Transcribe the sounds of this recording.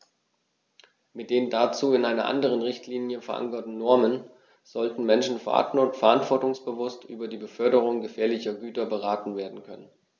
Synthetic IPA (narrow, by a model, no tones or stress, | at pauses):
mɪt̚d̥eːndat͡suːɪnʔaɪnɐʔa̰ndəʁ̞ənʁɪçtʰliːnjəfɛɐʔa̰ŋkɐtn̩nɔɐmən | z̥ɔltn̩mɛnʃn̩fɛɐʔa̰ntnʊtfɛɐʔantv̥ɔɐtʊŋsb̥əvʊstʔy̰ːbɐdiːbəfœɐɾəʁ̞ʊŋɡəfɛːɐlɪçɐɡyːtɐbəʁaːtn̩veːɐdn̩kʰœnən